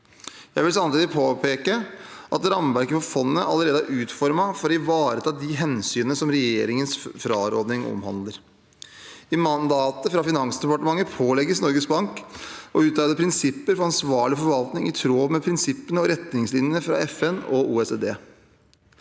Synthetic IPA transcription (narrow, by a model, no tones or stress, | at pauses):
jæɪʋɪlsɑmt̪iːd̪ɪpʰoːpʰeːkəʔɑ̰t̪ɾɑmʋæɾkəfɔfɔnːəʔɑ̰ləɾeːd̪əæʔʉːt̪fɔɾmɑfɔɾɪʋɑːɾət̪ʰɑːd̪ɪɦɛnsyːnəəsɔmɾɛjeːɾɪŋənsfɾɑ̰ːɾɔ̰d̪nɪŋʔɔ̰mhɑ̰nd̪ləɾ | ɪmɑnd̪ɑːt̪əfɾɑfɪnɑŋsd̪ɛpɑʈəmɑŋːəpʰoːlɛɡːəsnɔɾɡəsbɑŋkɔʉːt̪ɑːləpʰɾɪnsɪpːəɾfɔɾɑnsʋɑːɭɪfɔɾʋɑlt̪nɪŋɪt̪ʰɾoːʋmɛpʰɾɪnsɪpːənəɔɾɛt̪nɪŋslɪnjənəfɾɑ̰ɛfɛnɔṵːɛseːd̪eː